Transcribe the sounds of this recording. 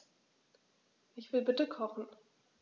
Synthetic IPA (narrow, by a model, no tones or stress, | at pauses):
ʔɪçv̥ɪlbɪtəkʰɔχn̩